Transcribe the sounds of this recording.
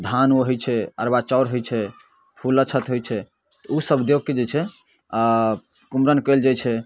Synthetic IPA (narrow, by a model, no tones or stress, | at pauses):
d̪ʱanoɦojt͡ʃʰɛə̰ɾbat͡ʃɔʊɾɦojt͡ʃʰɛ | pʰulːət͡ʃʰət̪ɦojt͡ʃʰɛ | t̪ɔusəbd̪joɡ̚ked͡ʒet͡ʃʰɛ | kumɾənkəld͡ʒat͡ʃʰɛ